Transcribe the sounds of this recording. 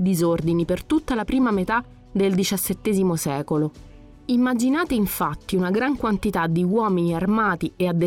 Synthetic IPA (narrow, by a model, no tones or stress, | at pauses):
d̪izord̪inipert̪ut̪ːalapɾiːmamet̪a | d̪eld̪it͡ʃasːet̪ːɛːzimosɛːkolo | imːad͡ʒinaːt̪eiɱfat̪ːiunaɡɾaŋkwant̪it̪ad̪ːiwɔːminiarmaːt̪iead̪ːe